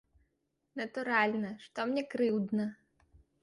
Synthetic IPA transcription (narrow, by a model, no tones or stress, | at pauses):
nɐt̪uɾalʲnɐʂt̪ɔmnʲɛkɾɨwd̪nɐ